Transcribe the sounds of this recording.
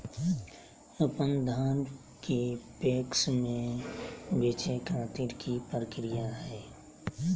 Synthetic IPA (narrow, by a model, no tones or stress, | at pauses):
əpənd̪ʱaːn | kepeːksmẽ | beːt͡ʃekʰãːt̪iːɾkipəɾəkɾijaɦɛeː